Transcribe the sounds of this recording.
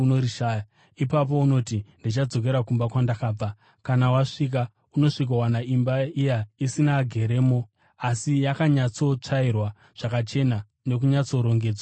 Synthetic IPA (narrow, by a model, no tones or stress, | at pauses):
noɾiʃaːja | ipap̬o̞uno̞tindit͡ʃad͡zo̞ke̞ɾakumbakwandakaːb͡va | kanawaʂik̬a | uno̞ʂik̬awanaimbaijaisinaɡʱe̞ɾe̞ːmo̞ | asijakaɲat͡so̞t͡ʂairwa | ʐ̥akat͡ʃe̞na | ne̞k̬uɲat͡so̞ɾo̞ŋɡe̞ːd͡zwa